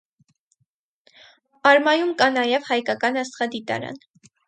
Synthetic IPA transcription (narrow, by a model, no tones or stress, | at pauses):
ɑɾmɑjumkɑnɑjɛvhɑjkɑkɑnɑsχɑd̪it̪ɑ̰ɾɑ̰n